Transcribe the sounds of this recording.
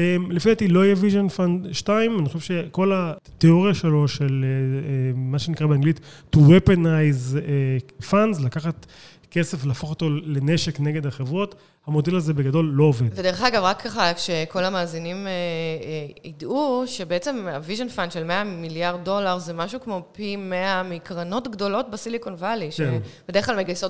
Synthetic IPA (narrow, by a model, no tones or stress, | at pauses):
emlefiat̪ilo̞ajeviʒonfandʃtaimanixoʃevʃeko̞lat̪eoʁjaʃelo̞ʃelemaʃenikʁabeaŋɡlit̪ː | uwepenajzefandzlakaχat̪ | ke̞se̞flaːfo̞χot̪o̞le̞ne̞ʃekneɡedhaχevʁo̞t̪ | hamo̞delazebeɡado̞lːo̞oved̥̪vved̪e̞eχaɡavʁakʰːaχakʃeko̞lamaːzinime | idʔuʃe̞beet͡se̞maviʒonfandʃe̞lmeamiljaʁddːo̞laʁzemaʃukmo̞pimeamikʁano̞tɡdo̞lo̞t̚basilikonvaliʃb̥ed̪eχklalmeɡajso